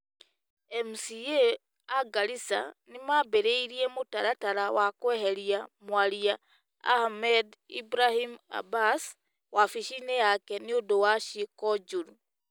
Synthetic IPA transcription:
emusie | aɡalisa̰nimabeɾeiɾiemutaɾataɾawakweɦeɾiamwalia̰ː | hmedḭbɾahima̰bas | wafiʃinejakeniodowaʃikɔd͡ʒuɾu

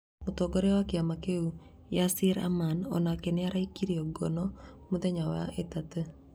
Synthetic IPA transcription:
mutoɡɔɾɛwakeamakeu | jasiɾa̰manɔ̰nakenɪaɾaikiɾiɔɡɔnɔmudɛɲawa̰ʔetatə

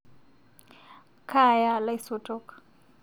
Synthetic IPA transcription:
kʰajalaisɔtʰʼɔːkʼḁ

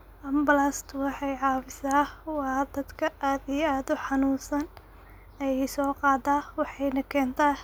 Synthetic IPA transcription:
ʔɐmbɐlast̪ʰwɑħɑjʕɑːfɪsaːhwɑːd̪ɐd̪kʰɐʔaːd̪ijaːd̪ʊħɑnuːsɐn | ɛjɛjsɔːqɑːd̪aːwɑħɑjnɐkʰɛːnt̪ʰaː

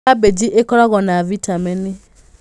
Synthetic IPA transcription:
abed͡ʒiʔekɔɾɔɣɔnavitamɛni

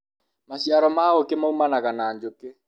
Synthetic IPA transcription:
maɕiaɾɔmaokemaumanaɣanaːɲd͡ʒoke

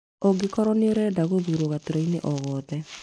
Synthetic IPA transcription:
oɡekɔɾɔneoɾɛdaɣoðuɾoɣatoɾaineʔɔɣɔːðɛ

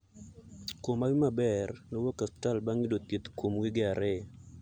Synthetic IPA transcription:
komawimabɛrnɔwɔkastalbaŋidot̪it̪komwiɡɪaɾe

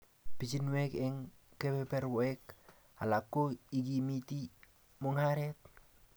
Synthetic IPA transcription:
pit͡ʃinwɛkɛŋ | kepepɛrwoɛk | alakːoiɡimit̪i | muŋaɾɛt̪̚

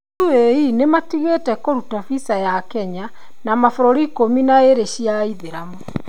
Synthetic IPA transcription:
ueinematiɣetɛkoɾutafisajakɛɲa | namafoɾoɾikominaeɾeʃiaiðeɾamo

